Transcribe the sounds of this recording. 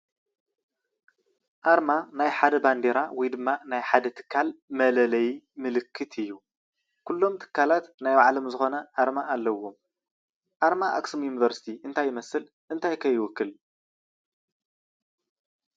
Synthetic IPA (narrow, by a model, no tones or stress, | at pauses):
ʔaɾmanajħad̪ɐband̪eɾawɔjd̪ɨmːanajħad̪ɐt̪ʰɨ̥kʰːalmɐlɐlɐji | mɨlɨkʰːɨt̪ʰɨjːu | kʰulːo̞mt̪ʰɨ̥kʰːalat̪najwaʕlo̞mzɨxo̞nɐʔaɾmaːlːɐwːom | ʔaɾmaʔa̰ksumjunivɐɾsi̥t̪ʰiʔɨnt̪ʰajːɪmɐsɨl | ʔɨnt̪ʰajkʰɐjːɪwɔkːɨl